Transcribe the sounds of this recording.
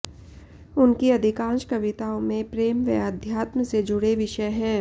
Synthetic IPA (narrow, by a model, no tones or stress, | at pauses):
ʊnkiɐd̪ʱɪkãːnʃkɐʋɪt̪aːõmẽpɾeːmʋḛad̪ʱjaːt̪məsed͡ʒʊɽeʋɪʃəjɦɛ̃ː